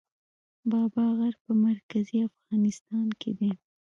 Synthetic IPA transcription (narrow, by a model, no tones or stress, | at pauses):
bɑbɑɣaɾpəmaɾkaziafɣɑnɪst̪ɑnkʰed̪e